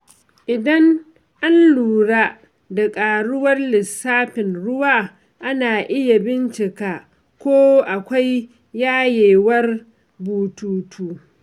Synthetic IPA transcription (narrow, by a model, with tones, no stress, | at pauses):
ʔɪ˨dɐ˦ŋ | ʔa˦nluː˨ɽaː˦ | da˨kʼaː˨ɽʊ˦wɐ˦rlɪ˨sːaː˦ɸɪ˨nɽʊ˦waː˦ | ʔa˦naː˨ʔɪ˦ja˨bɪ˦nt͡ʃɪ˨ka˨ | kʷoː˦ʔa˨kʷa˦jː | aː˦jeː˨wɐ˦r | buː˨tuː˨tʰuː˦